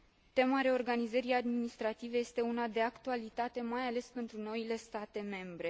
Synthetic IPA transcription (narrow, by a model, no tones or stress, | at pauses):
t̪e̞maɾe̞o̞rɡanizəɾiad̪minist̪ɾat̪ive̞je̞st̪e̞unad̪e̞akt̪ualit̪at̪e̞majale̞spe̞nt̪ɾuno̞ile̞st̪at̪e̞me̞mbɾe̞